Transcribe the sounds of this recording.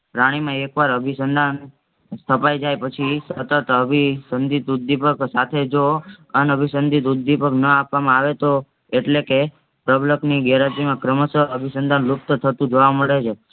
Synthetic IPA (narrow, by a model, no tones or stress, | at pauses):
pɾaɽ̃imãekʋaɾəbʱisənd̪ʱan | st̪ʰəpajd͡ʒajpət͡ʃʰisət̪ət̪əbʱisənd̪ʱit̪ud̪ːipəksat̪ʰed͡ʒoəneəbʱisənd̪ʱit̪ud̪ːipəknəapʋamãaʋet̪o | eʈleke | pɾəbləkniɡɛɾat̪imãkɾəməsəəbʱisənd̪ʱanlup̚t̪ət̪ʰət̪ũd͡ʒoʋaməɭet͡ʃʰe